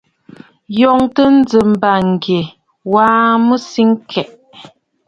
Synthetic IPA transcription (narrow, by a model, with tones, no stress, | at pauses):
jɔ˨ŋtə˦n̩˦d͡zə˨m̩˨ba˨ŋ˨ɡe˨ | waː˦mə˦si˦ŋkʰɛ˨ʔ